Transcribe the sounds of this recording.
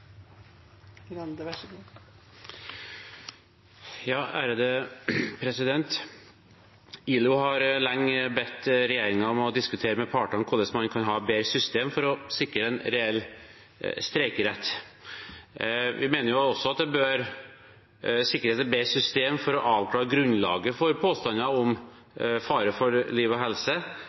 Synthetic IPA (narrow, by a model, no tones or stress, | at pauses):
jɑːæːɾəd̪əpʰɾɛsɪd̪ɛnt̪ | iːlʊhɑɾlɑŋːbɛt̪ːɾɛjeːɾɪŋɑɔmɔd̪ɪskʉt̪ʰeːɾəmɛpʰɑːʈɔnkʰʊlɛsmhɑnkʰɑnɦɑːbeːɾəsʏst̪eːmfɔɾɔsɪkːɾəɛnɾɛɛlː | st̪ɾɛɪkəɾɛt̪ː | ʋɪmeːnəɾjʊɔsːɔɑt̪̚d̪ɛbøːɾ | sɪkːəɾheːt̪ɛbeːɾsʏst̪eːmfɔɾɔʔɑːʋkʰlɑːɾəɡɾʉnlɑ̰ːɡəfɔɾpʰoːst̪ɑnɑɔm | fɑːɾəfɔɾliːʋɔɦɛlsə